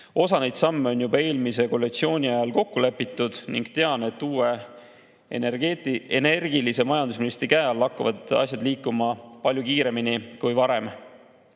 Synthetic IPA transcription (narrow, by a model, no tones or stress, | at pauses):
o̞sɑne̞jd̪̥sɑmːe̞o̞njubɑe̞ːlmise̞ko̞lːekt̪sio̞ːnʲiɑjɑlko̞kːule̞pːˑit̪ːˑud̪̥niŋɡ̥t̪e̞ɑne̞t̪ːuːe̞ | et̪iene̞rɡ̥ilise̞mɑjɑnd̪̥us̬minist̪ɾikæːɑlːɑkːɑvɑd̪̥ɑ̰ɕsʲjɑd̪liːkːˑumɑpɑlʲjukiːɾe̞minikujvɑɾe̞m